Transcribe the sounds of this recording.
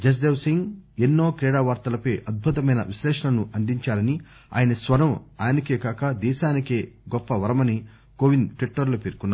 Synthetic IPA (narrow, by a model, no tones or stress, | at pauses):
d͡ʒɐs̬d̪eːwsiŋɡenːoːkɾɛːɽaːʋaːɾt̪ɐlɐpɐjʔɐd̪̚bʱut̪ɐmɐjnɐ̰ʋiʃlɛːʂɐlɐnuʔɐnd̪iɲt͡ʃaːlɐni | a̰ːjɐnɐsʋɐɾɐmaːnikeːkaːkɐd̪ɛːʃaːnikeːɡɔpːɐʋɐɾɐmɐni | koʋinʈʋiʈːɐɾlopeːɾkunːa